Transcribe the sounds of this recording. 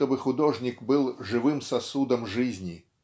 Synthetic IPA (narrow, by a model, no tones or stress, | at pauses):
t̪obɨxʊd̪oʐnʲɪkbɨlˠʐɨvɨmsɐsud̪əmʐɨzʲnʲi